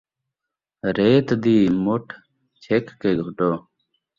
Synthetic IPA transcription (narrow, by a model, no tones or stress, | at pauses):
ɾeːt̪d̪iːmoʈʰ | t͡ɕʰekːeːɡʱuʈoː